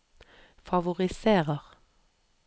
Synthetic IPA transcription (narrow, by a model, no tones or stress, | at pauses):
fɑʋʊʁɪseːʁəʁ